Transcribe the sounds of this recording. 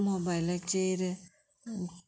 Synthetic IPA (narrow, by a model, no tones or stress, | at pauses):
mobajlat͡ʃeɾ